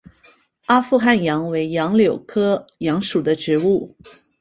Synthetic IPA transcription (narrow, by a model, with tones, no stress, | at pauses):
a˥fu˥˧xa˥˩njɑ˧˥ŋwe˧˥ɪjɑ˧˥ŋljo˨˩ʊkʰɤ˥jɑ˧˥ŋʂu˨˩d̪ə˦ʈ͡ʂɻ̩˧˥u˥˩